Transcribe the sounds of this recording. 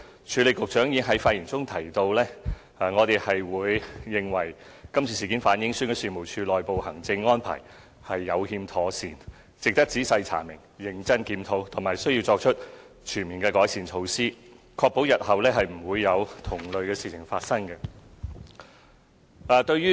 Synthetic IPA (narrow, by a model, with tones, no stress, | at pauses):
t͡ʃʰyː˨˧le˨˩jkʊ˨k̚t͡ʃœː˨˥ŋji˨˥ŋɦɐ˨˥jfaː˧ji˨˩nt͡sʊ˥ŋt̪ʰɐ˨˩jt̪o˧wlɛː˥ | aː˨ŋɔː˨˧t̪e˨jhɐ˨jwuː˨˧jːɪ˨ŋwɐ˨˩j | kɐ˥mt͡sʰiː˨siː˨ki˨˥nfaː˨˥njɪ˨˥ŋsyː˥nkɛː˧siː˨mo˨˩wt͡ʃʰyː˧lɔː˨jpo˨whɐ˨˩ŋt͡sɪ˧ŋːɔː˥npʰa̰ː˨˩j | hɐ˨jːɐ˨˧whiː˧mt̪ʰɔː˨˥siː˨˩n | t͡sɪ˨k̚t̪ɐ˥k̚t͡siː˨˥sɐ˧jt͡sʰa̰ː˨˩mɪ˨˩ŋjɪ˨˧ŋt͡sɐ˥nkiː˧mt̪ʰo˨˥wt̪ʰʊ˨˩maː˨˩jsɵ˥ɥji˧wt͡sɔː˧k̚t͡ʃʰɵ˥t̚ | t͡ʃʰyː˨˩nmiː˨nkɛː˧kɔː˨˥jsiː˨˩nt͡ʃʰo˨˧wsiː˥ | kʰɔː˧k̚po˨˥wjɐ˨t̚hɐ˨wlɛː˥ɦɐ˨jm̩˨˩wuː˨˧jːɐ˨˧wt̪ʰʊ˨˩ŋlɵ˨ɥkɛː˧siː˨t͡sʰɪ˨˩ŋfaː˧t̚sɐ˥ŋkɐ˧ | ʔaː˨˩t̪ɵ˧ɥjyː˥